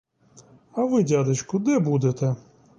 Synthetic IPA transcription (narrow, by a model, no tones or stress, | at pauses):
ɐʋɪdʲad̪ɪt͡ʃkʊd̪ɛbud̪et̪ɛ